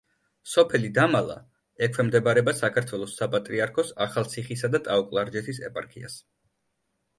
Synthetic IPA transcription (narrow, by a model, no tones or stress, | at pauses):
sɔpʰɛlid̪amalˠa̰ | ɛkʰwɛmd̪ɛbaɾɛbasakʰaɾt̪ʰwɛlˠɔsːapʼat̪ʼɾiaɾkʰɔsaχalˠt̪sʰiχisad̪at̪ʼaɔkʼlˠaɾd͡ʒɛt̪ʰisɛ̰pʼaɾkʰia̰s